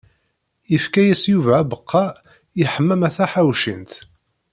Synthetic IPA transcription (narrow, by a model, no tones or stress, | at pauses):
ifkæjæsjuvæːbəqʰːɑ | iħəmːæmæθæħawʃint̪